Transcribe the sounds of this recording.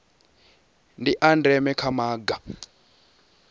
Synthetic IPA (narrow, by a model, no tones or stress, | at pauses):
ndiʔandɛmɛkʰamaːɡa